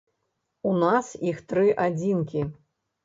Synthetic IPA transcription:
unasixt̪ɾɨʔad͡zʲinkʲi

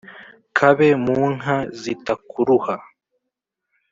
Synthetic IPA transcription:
kʰaβemuːnɦazitakuɾuha

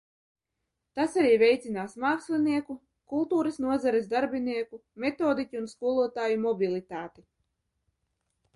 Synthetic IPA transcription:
t̪asaɾiːvʲɛjt̪sinaːsmaːkslʲiniɛku | kulˠt̪uːɾɐsnuɔzaɾɛsd̪aɾbʲiniɛkumet̪oːd̪icʲiunskuɔlˠuɔt̪aːjumɔbʲilˠit̪aːt̪i

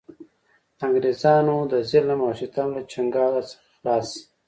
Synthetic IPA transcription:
aŋɡɾezɑːnod̪əzilamaʃit̪anlat͡ʃaŋɡɑːlasə̥xlɑːs

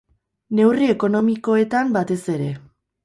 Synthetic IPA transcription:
ne̞wrie̞ko̞no̞miko̞e̞t̪ambat̪e̞se̞ɾe̞

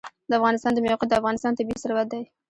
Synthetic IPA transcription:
d̪əafɣɑnɪst̪ɑnd̪əmajɑqɑt̪̚d̪əafɣɑnɪst̪ɑnt̪abiisaɾwat̪̚d̪aj

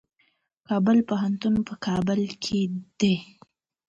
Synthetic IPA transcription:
kɑbəlpəɦant̪unpəkʰɑbəlkʰed̪̥e

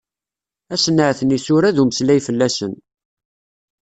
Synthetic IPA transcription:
æsənːəʕθənisʊɾæðuməslæjfəlːæsən

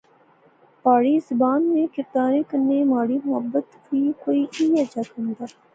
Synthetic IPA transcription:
paːɽizʊbaːnmẽkɪɾd̪aːɾẽkənːemaːɽimʊɦəbːət̪ | bikoːiʔiad͡ʒaknd̪aː

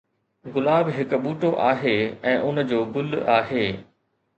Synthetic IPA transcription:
ɣʊlaːbɦɪkɓuːʈoʔaːɦeːɛ̃ːʔʊnd͡ʑoːɡʊla̰ːɦeː

